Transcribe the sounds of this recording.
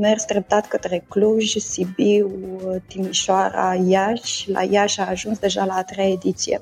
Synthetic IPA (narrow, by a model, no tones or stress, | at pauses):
mersd̪ɾəp̚t̪at̪kət̪ɾekluʒʲsibiwt̪imiʃoaɾa̰jaʃla̰jaʃaːʒunsd̪e̞ʒalaːt̪ɾejaed̪it̪sijḛ